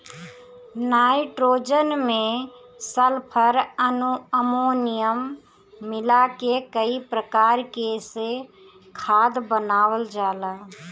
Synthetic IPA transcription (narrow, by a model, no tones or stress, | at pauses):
naːɪʈɾoːd͡ʒənmẽ | səlpʰəɾənuəmoːnɪijəmː | ɪlakekəipɾəkaːɾkeːse | kʰaːd̪bənaːʋəld͡ʒaːlaː